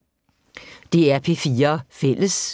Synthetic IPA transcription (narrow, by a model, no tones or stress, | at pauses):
d̥e̝æɐpʰe̝fiːɐfel̰əs